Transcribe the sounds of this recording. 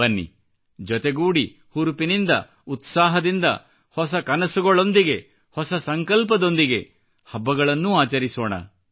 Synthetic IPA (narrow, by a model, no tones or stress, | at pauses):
ɐnːḭ | d͡ʒɔt̪eɡuːɽi | huɾpinind̪ɐ̰ | ut̪saːɦɐd̪ind̪ɐ̰ | hɔs̬ɐkɐnɐsuɡɔɭo̞nd̪iɡe̞ | hɔsɐsɐŋkɐlp̬ɐd̪o̞nd̪iɡe̞ | hɐbːɐɡɐɭɐnːuaːt͡ʃɐɾisɔːɳɐ̰